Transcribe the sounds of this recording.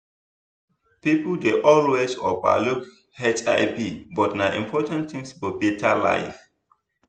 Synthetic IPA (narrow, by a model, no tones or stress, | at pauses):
pipəldeʔɔlwesɔpa̰luk | hɛt͡ʃaɪpibɔtnaʔḭ̃mpʰɔtãnt̪ĩŋsbɔbetʰala̰ɪf